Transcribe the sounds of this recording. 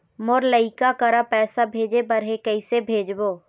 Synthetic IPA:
mʊɾləɪkakəɾapɛːsabʱeːd͡ʒebəɾɦekəɪsebʱeːd͡ʒboː

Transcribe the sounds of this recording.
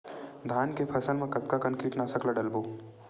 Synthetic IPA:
d̪ʱaːnkepʰɐsəlmẽkɐt̪kakɐnkiːʈnasɐklaɖɐlboː

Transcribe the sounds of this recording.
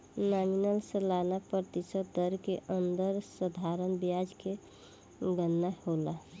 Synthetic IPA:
naminəlsəlanapɾət̪isət̪̚d̪əɾkeʔənd̪əɾsəd̪ʱaɾənbijad͡ʒke | ɡənːahola

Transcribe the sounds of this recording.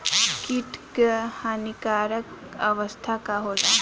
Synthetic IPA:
kiʈkhaːnikaːɾəkɐʋəst̪ʰakaɦoːt̪a

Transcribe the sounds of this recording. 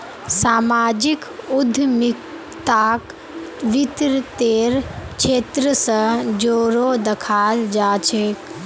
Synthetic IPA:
saːmaːd͡ʒikʊd̪ʱmɪk | t̪ak | ʋɪt̪ɾt̪eːɾt͡ʃʰeːt̪ɾəsə̃d͡ʒoːɾod̪əkʰaːld͡ʒaːt͡ʃʰeː

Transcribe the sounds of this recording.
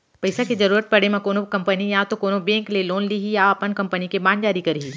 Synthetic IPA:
pɐɪsakizɐɾuːɾət̪̚pɐɽemẽkoːnokɐ̃mpənijat̪okoːnobẽːŋkleloːnliɦijaɐpənkɐ̃mpənikebaːnd͡ʒaːɾikɐɾɦiː

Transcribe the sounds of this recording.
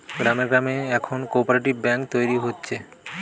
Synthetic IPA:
ɡɾameɾɡɾameɛkʰonkoɾpoɾeʈibbɛŋkt̪ojɾiɦotːɕʰe

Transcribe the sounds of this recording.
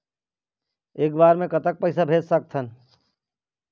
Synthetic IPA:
eːk̚baːɾmẽkɐt̪ək̚pɐɪsabʱeːd͡ʒsɐk̚t̪ʰən

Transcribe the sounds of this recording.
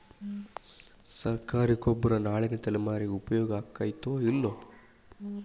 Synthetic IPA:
sɐɾkaːɾikobːɐɾɐnaːɭinɐt̪ɐlɛmaːɾiɡeupɐjɔːɡɐːkːaːjt̪oːilːo

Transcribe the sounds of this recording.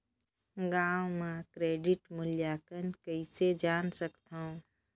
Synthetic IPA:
ɡaːwmãkɾeːɖiʈmʊljakənkəɪsed͡ʒaːnsəkt̪aũ

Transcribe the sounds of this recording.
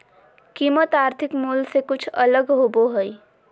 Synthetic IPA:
kiːmət̪aɾt̪ʰikmulsekʊt͡ʃʰələɡɦoboɦəj

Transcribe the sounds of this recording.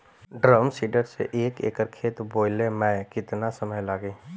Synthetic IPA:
ɖɾəmsiːɖəɾsḛʔeːkḛːkəɾkʰeːt̪boːɪlemɛ̃kɪt̪nasəməjlaːɡeː

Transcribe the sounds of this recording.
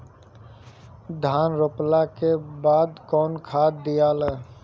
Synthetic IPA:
d̪ʱaːnɾoplakebaːd̪kɔːnkʰaːd̪ijaːləː

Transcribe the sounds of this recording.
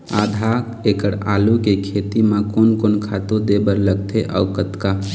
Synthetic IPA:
ad̪ʱa | ekəɾa̰ːlukekʰet̪imãkonkonkʰat̪ud̪ebəɾləɡt̪ʰeʔɔ̰ʊkət̪ka

